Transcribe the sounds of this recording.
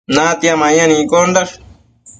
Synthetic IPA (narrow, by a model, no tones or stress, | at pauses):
nãt̪iamãɲãnĩkondaɾ